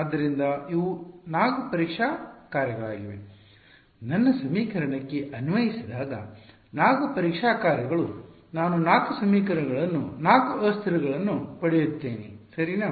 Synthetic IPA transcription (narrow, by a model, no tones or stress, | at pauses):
ad̪ːɐɾind̪ɐiʋunaːɡupɐɾikʂaːkaːɾjɐɡɐɭaːɡiʋḛ | nɐnːɐsɐmiːkɐɾɐɳɐkːeʔɐnuʋɐjisid̪aːɡɐ̰ | naːɡɐpɐɾikʂaːkaːɾjɐɡɐɭu | naːnunaːkusɐmiːkɐɾɐɡɐɭɐnːunaːkuɐst̪ʰɐɾuɡɐɭɐnːupɐɽejut̪ːeːnḭsɐɾina